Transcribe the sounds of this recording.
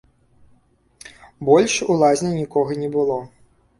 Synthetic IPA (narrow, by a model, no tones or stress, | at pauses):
bɔlʲʂulˠazʲnʲɛnʲikɔɣɐnʲɛbɨlˠɔ